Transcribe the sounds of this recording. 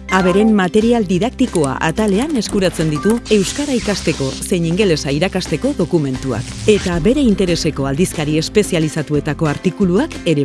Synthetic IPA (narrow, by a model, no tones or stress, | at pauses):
aβ̞e̞ɾe̞mːat̪e̞ɾiald̪iðak̚t̪iko̞a̰ʔa̰t̪ale̞ane̞skuɾat͡se̞nd̪it̪ue̞wskaɾaikast̪e̞ko̞se̞ɲiŋɡe̞le̞saiɾakast̪e̞ko̞ðo̞kume̞nt̪ua̰ke̞t̪aβe̞ɾe̞int̪e̞ɾe̞se̞ko̞ald̪iskaɾie̞spe̞sialisat̪ue̞t̪ako̞aɾt̪ikuluake̞ɾe